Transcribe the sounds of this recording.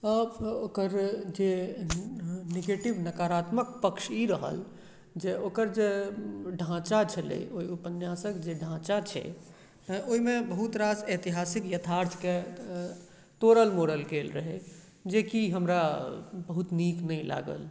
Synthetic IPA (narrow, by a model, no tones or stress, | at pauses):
əbokəɾd͡ʒe | neɡeʈibnəkaɾat̪mək̚pəkʃiɾəɦə̰l | d͡ʒeokəɾd͡ʒeɖʱãt͡ʃat͡ʃʰəlḛoiupənjasəkd͡ʒeɖʱãt͡ʃat͡ʃʰɛ̰ | oimebəɦut̪ɾaset̪iɦasikjət̪ʰaɾt̪ʰke | t̪oɾəlmoɽəlkelɾəɦɛ | d͡ʒekiɦəmɾabəɦut̪niknəjla̰ɡə̰l